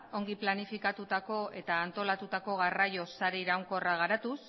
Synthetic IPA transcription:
o̞ŋɡiplanifikat̪ut̪ako̞ʔe̞t̪aːnt̪o̞lat̪ut̪ako̞ɣarajo̞saɾeiɾawŋko̞raɣ̞aɾat̪us

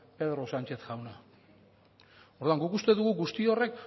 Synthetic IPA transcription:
pe̞ðɾo̞sant͡ʃe̞θʝawna | oɾðuaŋɡukust̪e̞ðuɣuɡust̪io̞re̞k

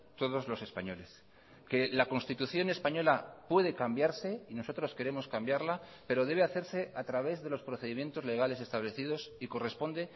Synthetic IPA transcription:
t̪o̞ð̞o̞zlo̞se̞spaɲo̞le̞s | ke̞lako̞nst̪it̪uθjo̞ne̞spaɲo̞lapwe̞ð̞e̞kambjaɾse̞ino̞so̞t̪ɾo̞ske̞ɾe̞mo̞skambjaɾlape̞ɾo̞ðe̞βeaθe̞ɾse̞ʔat̪ɾaβ̞e̞zðe̞lo̞spɾo̞θe̞ðimje̞nt̪o̞zle̞ɣ̞ale̞se̞st̪aβle̞θiðo̞siko̞re̞spo̞nd̪e̞

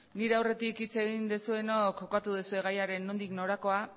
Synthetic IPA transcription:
niɾe̞awre̞t̪ikit͡se̞ɣind̪esue̞no̞kːo̞kat̪uðesue̞ɣ̞ajaɾe̞nːo̞nd̪ikno̞ɾako̞a

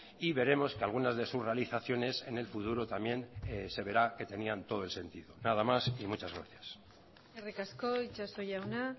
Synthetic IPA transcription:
iβe̞ɾe̞mo̞skealɣ̞unazðe̞susre̞aliθaθjo̞ne̞se̞ne̞lfut̪uɾot̪amje̞nse̞βe̞ɾake̞t̪e̞niant̪o̞ð̞oelse̞nt̪iðo̞nað̞amasimut͡ʃazɣɾa̰θjas | erikaskoit͡ʃasojawna

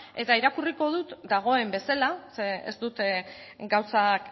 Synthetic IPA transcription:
e̞t̪aiɾakuriko̞ð̞ut̪d̪aɣ̞o̞e̞mbe̞salaseḛzt̪ut̪eɡawsak

